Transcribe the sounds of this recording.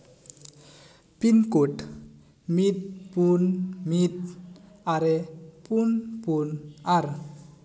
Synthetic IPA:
pinkot̪ | mit̪̚punmit̪̚ | aɾepunpunaɾ

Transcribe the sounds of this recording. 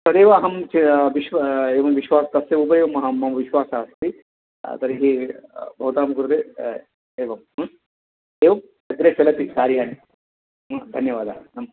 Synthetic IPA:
sɐd̪eːʋaːɦɐmt͡ʃiʋiʃʋeːʋɐmʋiʃʋaːst̪ɐseubɐɾeːʋɐmɐɦamɐmʋiʃʋaːsaːɐst̪i | t̪ɐɾiɦibʱɐut̪aːmkuɾud̪e | eːʋɐmɐn | eːʋɐm | sɐɡɾet͡ʃʰelɐt̪isaːɾjaːni | ɐd̪ʱɐnjɐʋaːd̪aːnɐm

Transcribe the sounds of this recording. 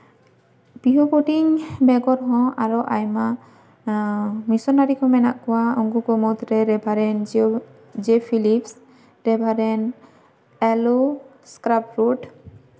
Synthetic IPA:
b̥iɦɔkoʈiŋbɛɡɔɾɦɔ̃aɹɔʔajma | misɔnaɾikʰɔ̃mɛnaʔkɔwaɔŋɡukɔmɔt̪ɾɛɾɛbʱaɾɛn | d͡ʒepʰilips | ɾɛbʱaɾɛn | ɛlu | skɾapɾuʈ

